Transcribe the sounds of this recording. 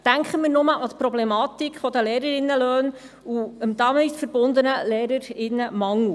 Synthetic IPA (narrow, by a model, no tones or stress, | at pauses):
d̥æŋkχəmiːɾnʊməʔɑt̪pɾɔblɛmɑt̪ikχfɔd̪əleːɾəɾɪnːəløːn | uəmd̪ɑmɪtfəɾb̥ʊnd̪ənəleːɾəɾɪnːəmɑŋu